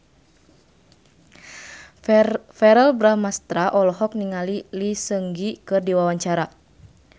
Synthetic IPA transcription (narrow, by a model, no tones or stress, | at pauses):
fɛɾɛlbɾamast̪ɾaʔɔlɔɦɔk̚niŋalilisəŋɡikɨrdiwawaɲt͡ʃaɾa